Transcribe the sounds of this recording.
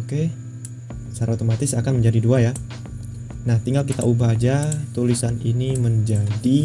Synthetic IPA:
oke | t͡ʃaɾaot̪omat̪ɪsakanməɲd͡ʒadiduaja | naht̪iŋɡalkit̪aʔubad͡ʒat̪ulisaniniməɲd͡ʒadi

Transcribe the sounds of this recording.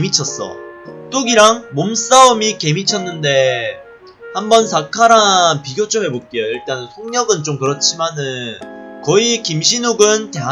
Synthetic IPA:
mit͡ɕʰʌs͈ʌ̰t͈oɡiɾaŋmoms͈aomike̞mit͡ɕʰʌnːɯnde̞ | hambʌnsʰakʰaɾanpiɡjot͡ɕ͈ome̞pok͈ejoiɭt͈ansʰoŋɲʌɡɯnt͡ɕomkɯɾʌt͡ɕʰimanɯnnkʌikimɕ̬ʰinuɡɯntea

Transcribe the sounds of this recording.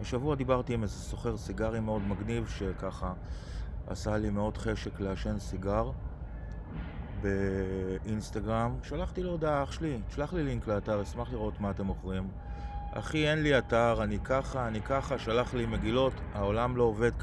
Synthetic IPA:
beʃavuad̪ibaʁt̪imezeso̞χe̞ʁsiɡaʁimeo̞d̪maɡnivʃe̞kaχa | a̰salimeo̞dχe̞ʃe̞kleaʃe̞nsiɡaʁ | be̞inst̪aɡʁamʃalaχt̪ilod̪aaχʃlitʃlaχliliŋkleataʁismaχliʁoo̞tmaːt̪e̞mo̞χʁim | ʔa̰χie̞nliataʁanikaχaːnikaχaʃalaχlime̞ɡilo̞tao̞lamlo̞ove̞d̪k

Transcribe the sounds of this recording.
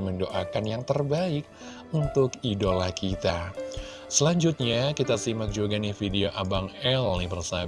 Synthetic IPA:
məndoʔakanjaŋt̪ərbaɪk̚ | unt̪ʊkidolakit̪a | səlaɲd͡ʒut̪̚ɲakit̪asimak̚d͡ʒuɡanɪfideoʔabaŋɛlnipərsa

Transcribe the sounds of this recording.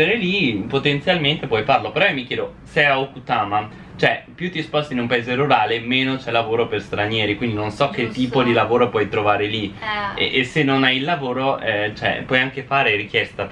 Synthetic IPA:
eɾelipot̪ent̪sjalment̪epwɔjfarlopeɾɔmːikjɛːd̪osɛaokut̪aːma | t͡ʃoɛpjut̪ːispɔst̪inumpaeːzeruɾaːlemeːnot͡ʃɛlːavoːɾoperst̪ɾanjɛːɾikwind̪inonsɔk̟ːet̪ːiːpod̪ilavoːɾopwɔjt̪ɾovaːɾeliḛʔesenːonajilːavoːɾoɛt͡ʃoɛ̰pwɔjaŋk̟efaːɾeɾikjɛst̪a

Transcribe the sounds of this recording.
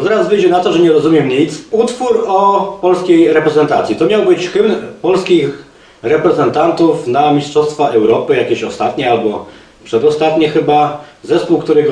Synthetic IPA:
t̪ɛɾazvɘjd͡ʑɛnat̪ɔʐɛɲɛɾɔzumʲɛmɲit̪sut̪fuɾɔpɔlskʲejɾɛpɾɛzɛnt̪at̪sʲit̪ɔmʲjawbɘt͡ɕxɘnpɔlskʲix | ɾɛpɾɛzɛnt̪ant̪ufnamʲistʂɔst̪faʔɛwɾɔpɘjakʲeɕɔst̪at̪ɲɛalbɔ | pʂɛd̪ɔst̪at̪ɲɛxɘbazɛspuwkt̪uɾɛɡ

